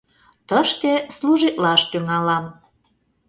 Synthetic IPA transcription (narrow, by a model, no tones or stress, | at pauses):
t̪əʃt̪esluʒit̪lɑʃt̪yŋɑlɑm